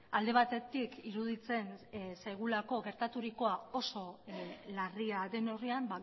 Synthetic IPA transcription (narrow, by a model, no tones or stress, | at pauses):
ald̪e̞β̞at̪e̞t̪ikiɾuðit͡se̞nsajɣulako̞ɣe̞ɾt̪at̪uɾiko̞ao̞so̞lariaðe̞no̞riamba